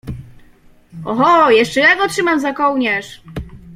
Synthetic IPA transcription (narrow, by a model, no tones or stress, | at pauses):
ɔxɔjɛʂt͡ʂɛjaɡɔtʂɘmamzakɔwɲɛʂ